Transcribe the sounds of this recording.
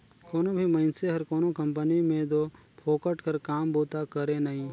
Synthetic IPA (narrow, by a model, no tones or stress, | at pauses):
koːnõbʱimɐɪnseɦɐɾkoːnokɐ̃mpənimẽd̪opʰoːkəʈkəɾkaːmboːt̪akɐɾẽnɐɦĩː